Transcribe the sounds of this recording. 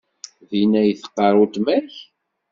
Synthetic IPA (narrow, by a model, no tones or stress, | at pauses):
ðinæjθə̥qːɑɾˤʊt̪mæç